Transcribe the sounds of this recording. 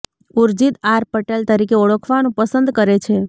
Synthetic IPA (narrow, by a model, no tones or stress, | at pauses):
uɾd͡ʒit̪aɾpəʈelt̪əɾikeoɭəkʰʋanũpəsə̃nd̪kəɾet͡ʃʰe